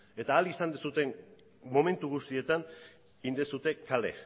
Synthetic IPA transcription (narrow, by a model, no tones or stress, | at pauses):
e̞t̪aːlisand̪esut̪e̞n | mo̞me̞nt̪uɣust̪ie̞t̪an | ind̪esut̪e̞kale̞̰